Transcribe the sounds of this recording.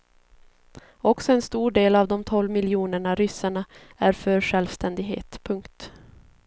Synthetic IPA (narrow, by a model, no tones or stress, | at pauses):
ɔksɔɛnst̪uːɖeːlavd̪ɔmt̪ʰɔlmɪljuːnəɳaɾʏsaɳaæɾfœɾɧɛlvst̪ɛnd̪ɪɡɦḛːt̪pʰɵŋkt̪